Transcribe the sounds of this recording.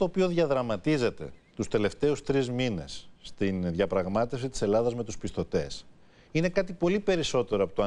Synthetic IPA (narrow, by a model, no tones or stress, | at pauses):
t̪oːpio̞ðʝɐðɾɐmɐt̪ize̞t̪e̞̰t̪ust̪e̞le̞ft̪e̞ust̪ɾizmine̞̰sːt̪inðʝɐpɾɐɣmɐt̪e̞fsit̪i̥se̞lɐðɐzme̞t̪uspist̪o̞t̪e̞̰s | ine̞kɐt̪ipo̞lipe̞ɾiso̞t̪e̞ɾoɐpot̪oɐ